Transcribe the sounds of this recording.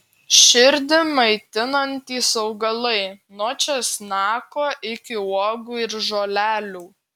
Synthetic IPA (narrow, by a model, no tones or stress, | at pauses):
ʃʲɪɾʲd̪ʲɪmɐɪt̪ʲɪnɐnʲt̪ʲiːsɐʊɡɐlˠɐɪnot͡ʃʲɛsnɑːkoːʔɪkʲɪoːɡuːɪɾʒoːlʲæːlʲuː